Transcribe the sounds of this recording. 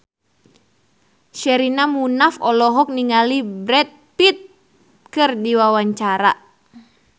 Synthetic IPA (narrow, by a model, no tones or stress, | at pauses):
ʃɛɾinamunafɔlɔɦɔk̚niŋalibɾɛt̪̚pit̪̚ | kɨrdiwawaɲt͡ʃaɾa